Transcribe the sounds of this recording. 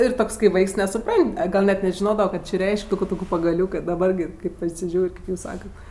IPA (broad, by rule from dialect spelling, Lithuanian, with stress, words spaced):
ɪr ˈtoːks kɐɪ ˈʋɐɪks nʲɛsʊˈprɐnʲtʲ ɐ ˈɡɐlʲ nʲɛt nʲɛʒʲɪˈnoːdɐʋɜ ˈkoː t͡ʃʲɪ ˈrʲɛɪʃʲkʲ ˈtuːkʊ ˈtuːkʊ pɐɡɐˈlʲuːkɜ dɐˈbɐr ɡʲɪ ˈkɐɪp pɐsʲɪˈʒʲuːrʲ kʲeːp ˈjuːs ˈsɑːkɐt